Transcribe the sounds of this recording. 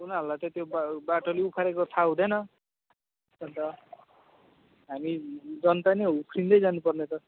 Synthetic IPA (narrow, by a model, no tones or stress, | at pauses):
unaɦʌlulajt̪ʌt̪jobbaʈoleupʰaɾekot̪ʰaɦũd̪ʌjnʌ | d͡zʌnt̪ʌ | ɦamid͡zʌnt̪aneupʰrind̪ʌjd͡zanupʌrnet̪ʌ